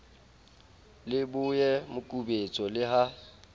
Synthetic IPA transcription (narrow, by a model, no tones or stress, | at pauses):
lɪbʊjɛmʊkʼubet͡sʼɔlɪɦa